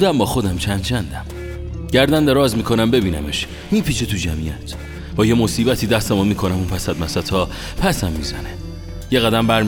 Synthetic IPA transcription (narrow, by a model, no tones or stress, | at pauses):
d̪æmbɒːxo̞d̪æmt͡ʃʰænd̪t͡ʃʰænd̪æm | ɟ̥æɾd̪ænd̪eɾɒːzmiːkʰo̞næmbe̞biːnæ̰meʃ | miːpʰiːt͡ʃʰet̪ʰud͡ʒæmḭjæt̪ʰ | b̥ɒːjemo̞siːbæt̪ʰiːd̪æst̪emunmiːkʰonæmuːnpʰæsæd̪̚mæsæt̪ʰhɒː | pʰæsæmːiːzæ̰ne | jeɣæd̪æmbæɾ